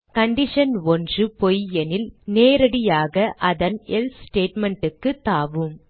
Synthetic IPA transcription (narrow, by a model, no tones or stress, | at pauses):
kɐɳɖɪʂɐnɔndrɯpɔjɛnɪlneːɾɐɽɪjaːɣɐʔɐðɐnɛlssʈeːʈmɛɳʈɯkːɯt̪ːaːʋɯm